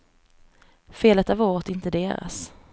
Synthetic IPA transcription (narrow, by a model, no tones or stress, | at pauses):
feːlət̪avoːɾt̪ɪnt̪əd̪eːɾa̰s